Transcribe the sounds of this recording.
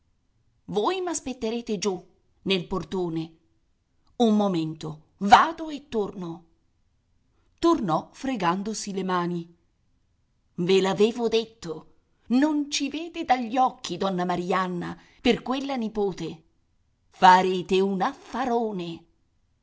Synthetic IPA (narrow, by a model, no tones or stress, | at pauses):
voːjmaspet̪ːeɾeːt̪ed͡ʒu | nelport̪oːne | ummoment̪o | vaːd̪oet̪ːorno | t̪ornɔfɾeɡand̪osilemaːni | velaveːvod̪et̪ːo | nont͡ʃiveːd̪ed̪aʎːɔkːid̪ɔnːamaɾianːa̰ | perkwelːanipoːt̪e | faɾeːt̪eunafaɾoːne